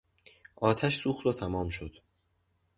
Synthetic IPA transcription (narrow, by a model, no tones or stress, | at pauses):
ʔɒːt̪ʰæʃsuːxt̪ot̪ʰæmɒːmʃo̞d̪̥